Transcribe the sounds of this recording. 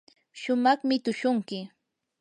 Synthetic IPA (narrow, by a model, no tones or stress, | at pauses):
ʃʊmɑχmɪt̪ʊʃʊŋkɪ